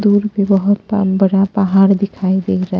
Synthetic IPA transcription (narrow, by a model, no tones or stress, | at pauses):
d̪uːɾpebəɦʊt̪bəɽapəɦaːɾd̪ɪkʰaːed̪eːkʰɾəɦ